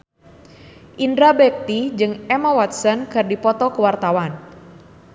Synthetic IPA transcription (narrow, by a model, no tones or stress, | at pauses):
ʔindɾabɛp̚t̪id͡ʒɨŋɛmawat̪sənkɨrdipɔt̪ɔkəwart̪awan